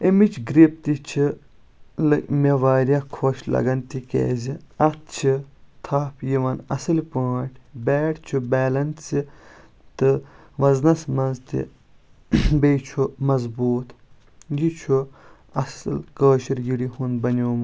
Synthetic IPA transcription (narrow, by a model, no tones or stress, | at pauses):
emit͡ʃʰɡɾip̚t̪it͡ʃʰi | lɨmeʋaːɾʲjakʰoːʃlɐ̰ɡɐnt̪ikḛːziɐt̪̚t͡ʃʰit̪ʰaːpʰjiʋɐnɐ̰sɨlpaːʈʰbɛːʈt͡ʃʰubɛːlɐnsi | t̪ɨ | ʋɐznɐsmɐzt̪ḭ | beːjt͡ʃʰumɐzbuːt̪ | jit͡ʃʰu | ɐsɨ̰lkəːʃiɾjiɽiɦunbɐnʲoːm